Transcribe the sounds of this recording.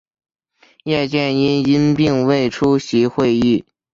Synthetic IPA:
jɛ˥˧t͡ɕjɛ˥˩ni˥ni˥npi˥˧ŋwe˥˩ɪʈ͡ʂʰu˥ɕi˧˥xwe˥˧ɪy˥˩

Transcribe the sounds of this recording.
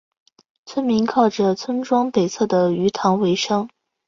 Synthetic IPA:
t͡sʰwə˥nmi˧˥nkʰɑ˥˩ʊʈ͡ʂə˩t͡sʰwə˥nʈ͡ʂwɑ˥ŋp̪e˨˩ɪt͡sʰɤ˥˩d̪ə˩y˧˥t̪ʰɑ˧˥ŋwe˧˥ɪʂɑ˥ŋ

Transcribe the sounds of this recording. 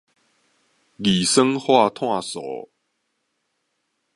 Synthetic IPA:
li˨˩sə˦ŋhwa˥˧t̪ʰwa˥˧˨sɔ̰˨˦

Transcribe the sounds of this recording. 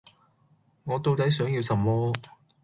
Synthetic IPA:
ŋɔː˨˧t̪o˧wt̪ɐ˨˥jsœː˨˥ŋji˧wsɐ˨˩mmɔː˥

